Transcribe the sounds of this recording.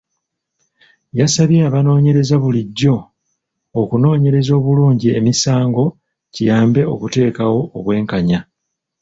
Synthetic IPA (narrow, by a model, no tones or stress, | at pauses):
jasaβjeaβano̞ːɲe̞ɾe̞zaβuliɟːo̞ː | kuno̞ːɲe̞ɾe̞zo̞ːβuluːɲɟie̞̰misaːŋɡo̞ | cijaːmbe̞o̞kute̞ːkawo̞ːβwe̞ːŋkaɲa